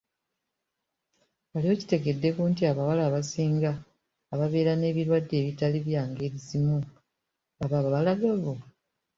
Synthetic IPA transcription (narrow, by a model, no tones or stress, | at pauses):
alio̞ci̥te̞ɡe̞dːe̞kuːntiaβawalaːβasiːŋɡaː | βaβe̞ːɾane̞ːβiɾwadːe̞ːβitaliβjaːŋɡe̞ɾizimu | aβaβaβalaɡaβo